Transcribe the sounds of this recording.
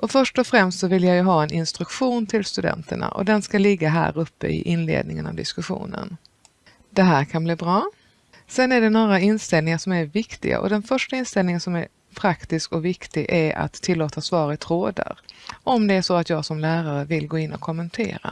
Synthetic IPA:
ʔɔfœʂʈɔfɾɛmst̪sɔvɪljajəɦɑːɛnʔɪnst̪ɾɵkʂuːnt̪ʰɪlst̪ɵd̪ɛ̰nt̪əɳa̰ʔɔ̰d̪ɛnskalɪɡːaɦæ̰ːɾɵpːə̰ɪ̰ʔɪnlḛːd̪nɪŋəna̰vd̪ɪskɵɧṵːnə̰n | d̪̥ɛɦæːɾkʰanbliːbɾɑː | sɛnːæɖɛnoːɾaɪnst̪ɛlnɪŋaʂɔmæɾvɪkt̪ɪ̰ɡa̰ʔɔ̰d̪ɛnfœʂʈaɪnst̪ɛlnɪŋənsɔmæɾ | pʰɾakt̪ɪskɔvɪkt̪ɪɡʔæɾa̰t̪ʰːɪlːoːt̪asvɑːɾət̪ʰɾoːd̪a̰ɾʔɔmd̪ɛæʂɔat̪jɑːɡsɔmlæːɾaɾəvɪlɡoːɪnːɔ̰kʰɔmːənt̪ʰḛːɾa̰

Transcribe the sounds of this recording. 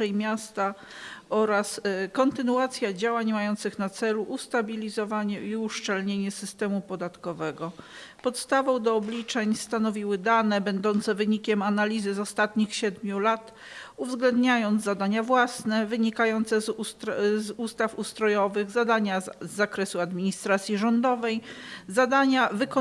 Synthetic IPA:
ɛjmʲjast̪a | ɔɾaskɔnt̪ɘnuat̪sʲjad͡ʑawaɲmajɔnt̪sɘxnat̪sɛluʔust̪abʲilʲizɔvaɲɛiuʂt͡ʂɛlɲeɲɛsɘst̪ɛmupɔd̪at̪kɔvɛɡɔ | pɔt̪st̪avɔ̃w̃d̪ɔːblʲit͡ʂɛɲst̪anɔvʲiwɘd̪anɛbɛnd̪ɔnt̪sɛvɘɲikʲɛmanalʲizɘzɔst̪at̪ɲixɕɛd̪mʲjulat̪ | uvzɡlɛnd̪ɲajɔnd̪zad̪aɲavwasnɛvɘɲikajɔnt̪sɛzzust̪afust̪ɾɔjɔvɘɣzad̪aɲazːakɾɛsuad̪mʲiɲist̪ɾat̪sʲjiʐɔnd̪ɔvɛjzad̪aɲavɘk

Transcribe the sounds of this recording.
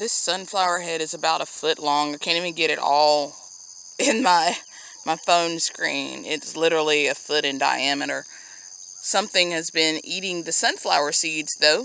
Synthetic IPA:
ðɪsʌ̃nflaʊə˞ɦɛɾɨzɨbaʊɾəfʊʔˡlɔ̃ŋaɪkʰæ̃ñivɨ̃nɡɛɾɨɾʔɔlˠ | ɪ̃nmaɪ | maɪfõʊ̃nskɹḭ̃nɪ̰tslɪɾə˞l̩ˠiɨfʊɾɨ̃nda̰ɪæmɨɾə˞ | sʌ̃mθɪ̃ŋɨzbɪ̃niɾɪ̃ŋðɨsʌ̃nflaʊə˞sidz̥ðoʊ

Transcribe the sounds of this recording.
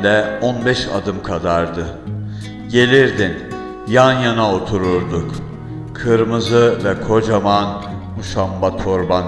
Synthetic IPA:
d̪ɛonbɛʃa̰d̪ɯmkʰad̪aɾd̪ɯ | ɟe̞lʲiɾd̪in | janjanaot̪ʰuɾuɾd̪uk | kʰɯɾmɯzɯvɛkʰo̞d͡ʒaman | muʃambat̪ʰo̞ɾban

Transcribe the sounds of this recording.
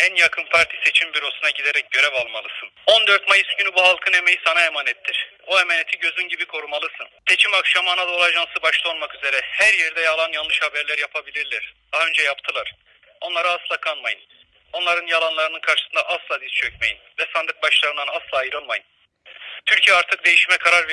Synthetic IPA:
ænjakʰɯnpʰaɾt̪ʰi̥se̞t͡ʃʰimbyɾo̞sunaɟid̪eɾɛc̚ɟø̞ɾɛvalˠmalˠɯsɯno̞nd̪øɾt̪majɯsɟynybuɦalˠkʰɯne̞me̞jisanaemaːnɛt̪ʰːiɾ̥ | oemanet̪ʰiɟø̞zynɟibikʰo̞ɾumalˠɯsɯnse̞t͡ʃʰimakʃamanad̪olˠaʒansɯbaʃlˠaolˠmakyze̞ɾɛhæɾjɛɾd̪ɛjalˠanjalˠɯʃhabæɾlʲæɾjapʰabilʲiɾlʲæɾ̥d̪̥aɦaø̞nd͡ʒɛjapt̪ʰɯlˠaɾ̥ | o̞nlˠaɾaaslˠakʰanmajɯn | o̞nlˠaɾɯnjalˠanlˠaɾɯnɯnkʰaɾʃɯ̥sɯnd̪a̰ʔaslˠaːd̪izt͡ʃʰøcme̞jḭnvɛsand̪ɯk̚baʃlˠaɾɯnd̪anaslˠaːjɯɾolˠmajɯn | t̪ʰyɾcʰijɛaɾt̪ʰɯk̚d̪e̞jiʃmɛkʰaɾaɾve

